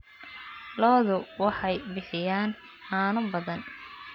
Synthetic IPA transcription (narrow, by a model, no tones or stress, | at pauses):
lɔːðʊwɑħɑjbɪħɪjaːn | haːnʊbɐðɐn